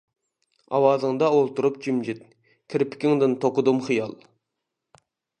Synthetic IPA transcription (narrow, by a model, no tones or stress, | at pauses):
ɑ̰wɑzɨŋd̪ɑolˠt̪uɾup̚d͡ʒimd͡ʒɪt̪̚ | kʲʰɪɾpʰɪ̥kʲɪŋd̪ɨnt̪ʰoqʊd̪ɨmχijɑlˠ